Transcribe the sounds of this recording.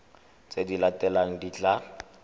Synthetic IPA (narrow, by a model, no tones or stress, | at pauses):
t͡sedilatɛlaŋ̩dit͡ɬʼa